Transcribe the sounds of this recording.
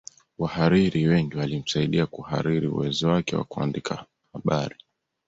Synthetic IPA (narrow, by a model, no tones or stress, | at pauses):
wahaɾiɾiwɛŋɡiwalim̩saiɗiakuha̰ɾiɾiṵwɛzɔwakɛwa̰kua̰ndikʰa | haɓaɾi